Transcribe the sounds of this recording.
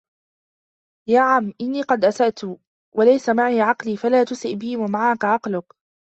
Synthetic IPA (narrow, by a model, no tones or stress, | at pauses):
jaːʕamːʔɪnːiːqɑd̪ʔasaʔt̪ʊ | walajsamaʕiːʕɑqliːfalaːt̪ʊsɪʔbɪhɪmamaʕakaʕɑqlʊk